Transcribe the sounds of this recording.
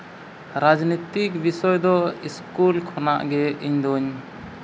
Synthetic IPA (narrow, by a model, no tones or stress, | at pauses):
ɾad͡ʒnit̪ikbisɔjd̪ɔiskulkʰɔna̰ʔɡɛiɲd̪ɔɲ